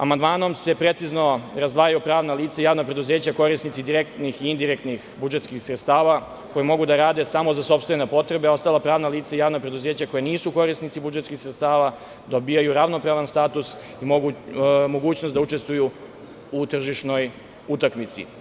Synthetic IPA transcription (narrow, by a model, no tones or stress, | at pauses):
a̰mand̪maːno̞mse̞pɾe̞t̪sizno̞ɾazd̪ʋaːjajupɾaːʋnaliːt̪saijaːʋnapɾe̞d̪uze̞ːt͡ɕako̞ɾisnit̪sid̪iɾekt̪nixiind̪iɾek̚t̪nixbud͡ʒet̪skixsɾet̪st̪aːʋa | ko̞jemo̞ɡud̪aɾaːd̪e̞samo̞zaso̞pst̪venapo̞t̪ɾe̞beao̞st̪alapɾaːʋnaliːt̪saijaːʋnapɾe̞d̪uzeːt͡ɕako̞jeniːsuko̞ɾisnit̪sibud͡ʒet̪skixsɾet̪st̪aːʋa | d̪o̞bijajuɾaʋno̞pɾaʋanst̪aːt̪us | imo | mo̞ɡuːt͡ɕnost̪d̪aut͡ʂe̞st̪ʋuju | ut̪r̩ʒiʃno̞j | ut̪akmit̪sḭ